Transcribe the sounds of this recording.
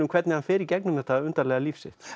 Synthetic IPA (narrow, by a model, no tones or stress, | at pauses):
ʏmkʰvɛt̪nɪhanfɪːɾɪɾcɛknʏmɛht̪aʏnt̪aɾlɛːɣaliːfsɪ̰ht̪